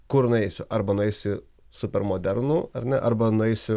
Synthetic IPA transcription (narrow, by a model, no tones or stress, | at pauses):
kʊɾnʊɛɪsʲʊʔɐɾbɐnʊɛɪsʲʊ | sʊpʲɛɾmoːd̪ʲɛɾnuːɐɾʲnʲɛʔɐɾbɐnʊɛɪsʲʊ